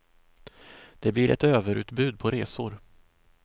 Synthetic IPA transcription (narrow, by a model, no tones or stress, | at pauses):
d̪̥ɛblɪɾʔɛ̰t̪øːvəɾʉ̟ːt̪bʉ̟ːd̪̚pʰɔɾeːsʊɾ